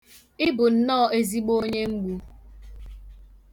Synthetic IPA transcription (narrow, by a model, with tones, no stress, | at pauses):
ɪ˦bʊ˨n̩˨nɔː˦˨e˦zi˦ɡ͡bo˦ɲe˦ŋ͡m̩˦ɡ͡bu˦